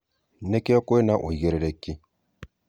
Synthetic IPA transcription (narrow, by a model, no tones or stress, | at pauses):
nɛkɛɔkoenaʔoiɣeɾeɾɛki